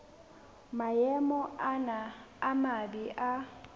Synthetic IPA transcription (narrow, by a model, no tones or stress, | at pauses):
majɛmɔʔanaamabiʔa